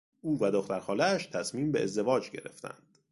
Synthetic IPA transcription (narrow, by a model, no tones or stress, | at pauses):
uːvæd̪oxt̪æɾxɒːlææʃt̪ʰæsmiːmbe̞ʔḛzd̪e̞vɒːd͡ʒɟe̞̰ɾe̞̰ft̪ʰæ̰nd̪̥